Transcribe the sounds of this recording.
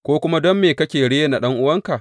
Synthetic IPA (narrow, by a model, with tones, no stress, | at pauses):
kʷoː˦kʷʊ˦ma˦dɔ˦mːeː˨kɐ˦kʲeː˨ɽeː˦jna˨ɗɐ˦ŋʔʊ˦wɐ˦ŋka˨ʔ